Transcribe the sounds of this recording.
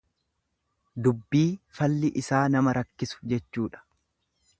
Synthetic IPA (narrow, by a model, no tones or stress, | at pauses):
d̪ʊbːiːfɐlːɪʔɪsaːnɐmɐɾɐkːɪsʊ̥d͡ʒɛt͡ʃːuːᶑɐ̥